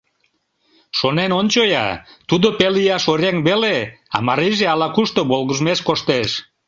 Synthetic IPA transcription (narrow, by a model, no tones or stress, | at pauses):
ʃonenonʲt͡ɕojɑ̰t̪ud̪opelijɑʃoɾeŋβeleɑ̰mɑɾiʒeɑlɑkuʃt̪oβolɣəʒmeʃkoʃt̪eʃ